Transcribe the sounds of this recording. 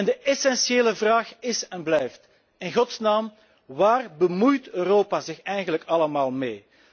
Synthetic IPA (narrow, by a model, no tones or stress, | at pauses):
ɛndəʔɛsɛnsjeːləvraːxɪsɛnblɛjft | ɪnɣɔtsnaːm | ʋaːrbəmujtøːroːpazɪxɛjɣənləkɑləmaːlˠmeː